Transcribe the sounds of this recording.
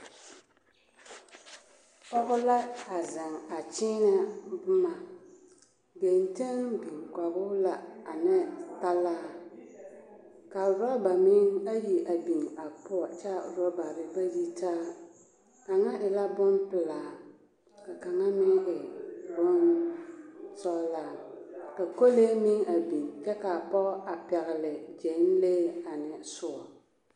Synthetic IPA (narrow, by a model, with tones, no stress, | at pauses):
pɔ˦ɣʊ˦la˦a˨zɪ˨ŋa˨t͡ʃiː˦na˦bʊ˦ma˨ | be˨nte˦ŋbi˨ka˨bʊ˦la˨a˨nɛ˦ta˦laː˦ | ka˨ɾa˦ba˨mi˦ŋa˦ji˨ʔa˨bi˨ŋa˨pʊ˦ɔ˨t͡ʃa˦˨ɾɔ˦ba˨ɾɪ˦ba˦ji˦taː˦ | ka˨ŋa˦ʔɪ˨la˦bʊ˦npɪ˨laː˨ | ka˨ka˨ŋa˦mɪ˦ɣɪ˨bʊ˦n | sɔ˦laː˦ka˨ko˦leː˦mɪ˦ŋa˨bi˨ŋt͡ʃɛ˦ka˨pɔ˦a˨pɛ˨ɣɪ˨lɪ˨d͡ʒe˨˦n˦leː˦a˨nɪ˨sʊ˦ɔ˨